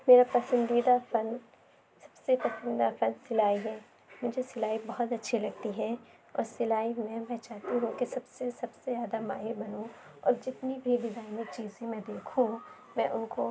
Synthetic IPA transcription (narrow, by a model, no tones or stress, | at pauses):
meːɾapɐsə̃nd̪iːd̪afɐn | sɐ̥bsepɐsə̃nd̪afɐnsɪlaːiɦɛː | mʊd͡ʒʱesɪlaːibɐɦʊt̪ɐtːʃʰilɐɡt̪iɦɛ | ɔ̰ːɾsɪlaːimɛ̃mɛ̃t͡ʃaːt̪iɦũkesɐbsesɐbsejaːd̪ama̰ːɦɪbɐnũɔ̰ːɾd͡ʒɪt̪nibʱid̪ɪd̪aːimẽt͡ʃiːzẽmẽd̪eːkʰũ | mɛ̃ʔʊnko